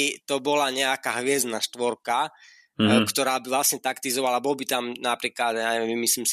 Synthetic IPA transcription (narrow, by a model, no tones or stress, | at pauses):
it̪ɔbɔlaɲɛakaɦʋɪɛzd̪naʃt̪ʋɔɾka | kt̪ɔɾaːbiʋlasɲɛt̪akt̪izɔʋalabɔlbit̪amnapɾiːklad̪jaɲɛʋɛmimisliːms